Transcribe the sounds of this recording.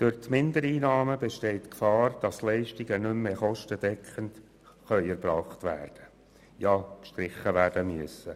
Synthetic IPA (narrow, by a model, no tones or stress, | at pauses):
d̥ʊɾtmɪnd̪əɾiːnɑːməbɛʃtɛɪt̪kfɑːrd̥ɑslɛɪʃtiɡənʏmːeːχɔʃtəd̥ɛkχənt | χœʏɛɾb̥ɾɑːχt̪ʋæːrd̥ə | jɑːkʃtɾɪχəʋæːɾd̥əmyəsə